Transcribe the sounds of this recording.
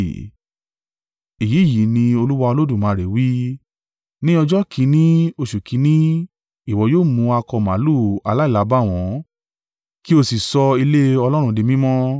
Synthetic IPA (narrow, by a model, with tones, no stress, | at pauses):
i˨ji˨˦˨ji˨˦nĩ˧o˧lu˦wa˧o˧lo˦du˦˨mãː˨˦˧ɾe˨wi˦ | nĩ˦ɔ˧d͡ʒɔ˦kʰĩ˧˦nĩ˦o˧˨ʃu˨kʰĩ˨˧˦nĩ˦ | i˦˨wɔ˨˧joː˦˨mũ˧a˧kɔ˧˨mã̰˨˦lu˦˨a˨˧la˨˦i˦˨la˨˦ba˦˨w̃ɔ̃˨˦ | ki˦o˧si˨sɔ˧i˧le˦ɔ˧lɔ˦ɾ̃ũ˧di˧mĩ˦mɔ̃˦